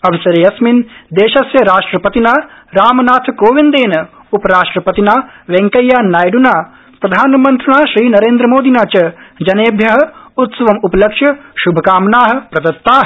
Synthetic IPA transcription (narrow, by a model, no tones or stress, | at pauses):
ɐʋɐsɐɾeːɐsmind̪eːʃɐsjɐɾaːʂʈɾɐpɐt̪inaːɾaːmɐnaːt̪ʰɐkoːʋind̪eːnɐ | upɐɾaːʂʈɾɐpɐt̪inaːʋeŋkɐjːaːnaːjɖunaː | pɾɐd̪ʱaːnɐmɐnt̪ɾuɳaːʃɾiːnɐɾeːnd̪ɾɐmoːd̪inaːt͡ʃɐd͡ʒɐneːbʱjɐɦɐ̆ut̪sɐʋɐmupɐlɐkʂjɐʃubʱɐkaːmɐnaːɦɐ̆pɾɐd̪ɐt̪ːaːɦ